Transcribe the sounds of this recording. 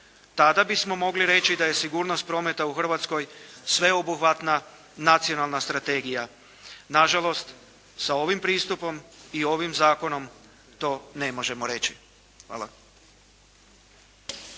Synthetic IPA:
t̪ad̪abismo̞mo̞ɡliɾe̞t͡ɕid̪aje̞siɡuːɾnost̪̚pɾo̞ːme̞t̪auxr̩ʋat̪sko̞jsʋe̞obuxʋat̪na | nat̪sio̞nalˠnast̪ɾat̪e̞ɡija | naʒalo̞st̪ | sao̞ʋimpɾiːst̪upo̞mio̞ʋimzaːko̞no̞m | t̪o̞ːne̞mo̞ʒe̞moɾe̞t͡ɕi̥ | xʋa̰ːla̰

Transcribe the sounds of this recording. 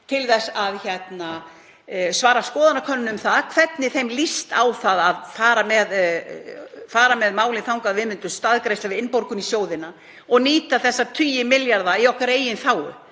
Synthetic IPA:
t̪ʰɪlθɛsːaðçɛt̪na | svaːɾaskɔːðanakʰœnːʏmθaðkʰv̥ɛt̪nɪθejmlist̪awθaðaðfaːɾamɛð | faːɾamɛðmaːwlɪnθawŋkaðvɪːmʏnt̪ʏst̪aðkɾejslavɪðɪnpoɾkʏnisjoːwðɪna | ɔɣniːt̪aθɛsːat̪ʰyːjɪmɪljaɾðaiɔhkaɾeːjɪnθaːwʏ̰

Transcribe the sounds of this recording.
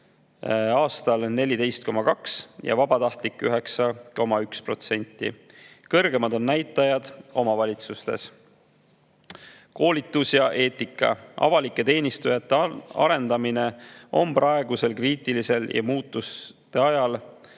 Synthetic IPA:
ɑːst̪ɑlne̞lʲid̪e̞jst̪̚ko̞mɑkɑksjɑ̰vɑbɑt̪ɑht̪likːˑyɦe̞ksɑko̞mɑykspro̞t̪se̞nʲt̪ːˑḭ | kɤrɡ̥e̞mɑd̪o̞nːæjt̪ːˑɑjɑd̪̥o̞mɑvɑlʲit̪sust̪e̞̰s | ko̞ːlʲit̪ːˑusjɑʔe̞ːt̪ˑikːˑɑ̰ʔɑ̰vɑlikːˑe̞t̪e̞ːnʲist̪ujɑt̪ːeɑ̰ɾe̞nd̪ɑmine̞ʔo̞̰mprɑe̞ɡuse̞lkriːt̪ːˑilise̞ljʔɑ̰muːt̪ːˑust̪e̞ɑjɑl

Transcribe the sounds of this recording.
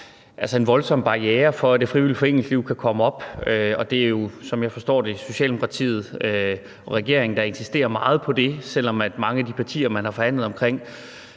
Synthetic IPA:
ʔælsəe̝nʋɒ̽lsɒ̽mb̥ɑ̈eːɐfɒ̽æd̥e̝fʁiʋilid̥fɒ̽e̝ŋ̰l̩sliʊkʰækʰɒ̽məɒ̽b̥øɒ̽d̥e̝æɐjo̝sɒ̽mjɑ̈ɪfɒ̽sd̥ɒ̰ːd̥e̝so̝ɕɛ̰ldemokʰɑ̈t͡sʰḭːð̞̩ˠø | ɒʁɛɡ̥e̝̰ɐ̰e̝ŋn̩d̥ɑ̈e̝nsisd̥e̝̰ːɐmɑ̈ːð̩ˠpʰɒ̽d̥e̝sel̰ɒ̽mæd̥mɑ̈ŋəæd̥ipʰɑ̈t͡sʰḭːɐmænhɑ̈fɒ̽hæn̰lð̩ˠɒ̽mkʰʁeŋ̰

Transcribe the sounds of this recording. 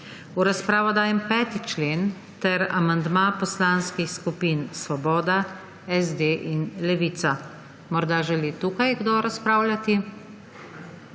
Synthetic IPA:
uɾaspɾaːʋɔd̪aːjɛmpɛːt̪it͡ʃleːn | t̪ɛɾa̰mand̪mapɔslaːnskixskupinsʋɔbɔːd̪a | ɛzd̪eːʔinlɛʋiːt̪sa | mɔɾd̪aːʒɛlit̪uːkajɡd̪oɾaspɾaːwlʲjʲat̪i

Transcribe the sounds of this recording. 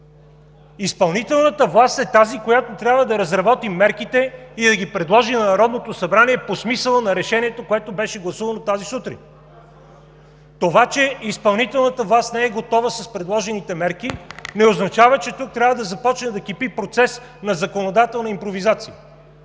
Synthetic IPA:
ispɐlˠnit̪ɛlˠnət̪əvlˠast̪ɛt̪azikojat̪ot̪ɾʲjabvəd̪ɐɾɐzɾɐbɔt̪imɛɾkit̪ɛid̪ɐɡʲipɾɛd̪lˠɔʒinɐnɐɾɔd̪not̪osɐbɾaniɛposmisəlˠənɐɾɛʃɛniɛt̪okoɛt̪obɛʃɛɡlˠɐsuvənot̪azisut̪ɾḭn | t̪ovat͡ʃɛispɐlˠnit̪ɛlˠnət̪əvlˠast̪nɛɛɡot̪ɔvəsɐspɾɛd̪lˠɔʒɛnit̪ɛmɛɾkinɛoznɐt͡ʃavət͡ʃɛt̪uk̚t̪ɾʲabvəd̪ɐzɐpɔt͡ʃnɛd̪ɐkipipɾot̪sɛs | nɐzɐkonod̪at̪ɛlˠnɐimpɾovizat̪sijə

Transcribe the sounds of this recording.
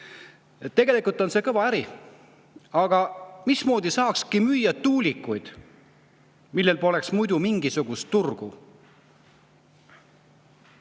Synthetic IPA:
t̪e̞ɡ̥elikult̪ˑo̞nse̞ːkɤvɑæɾi | ɑɡ̥ɑmismo̞ːd̪̥isɑːkskimyjːɑt̪ːuːlʲikːˑujd̪̥ | milːe̞lpo̞le̞ksmujd̪umiŋɡ̥isuɡ̥ust̪ːurɡ̥u

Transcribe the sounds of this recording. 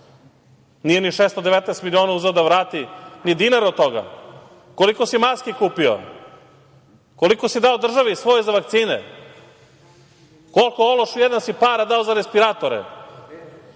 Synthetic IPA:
nijeniʃeːst̪od̪eʋet̪nɛst̪milionauzeod̪aʋɾaːt̪inid̪inaɾot̪o̞ɡa̰ | ko̞liko̞simaskikuːpio̰ | ko̞likosid̪aod̪r̩ʒaʋisʋo̞jzaʋakt̪siːnḛ | kolˠkooloʃujɛd̪ansipaːɾad̪aozaɾespiɾat̪oɾḛ

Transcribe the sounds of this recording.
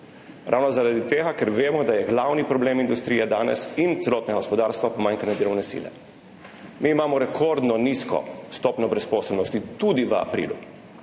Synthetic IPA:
ɾʔa̰wnɔzaɾad̪it̪eːɡakɛɾʋeːmɔd̪ajɛɡlawnipɾɔbleːmind̪ust̪ɾiːjɛd̪aːnɛ̰sint̪sɛlɔːt̪nɛɡaɡɔspɔd̪aːɾst̪ʋapɔmaːŋkanɛd̪əɾɔwnɛsḭːlɛ̰ | miːmaːmɔɾɛkʰoɾd̪nɔniskɔ̰st̪ɔːpnɔbɾɛspɔːslnɔst̪it̪ud̪iʋəa̰pɾḭːlṵ

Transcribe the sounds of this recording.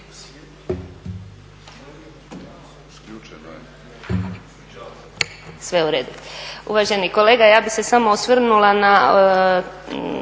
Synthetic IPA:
sʋeuɾeːd̪uṵʋaʒe̞niko̞le̞ːɡajaːbise̞samoosʋr̩nulana

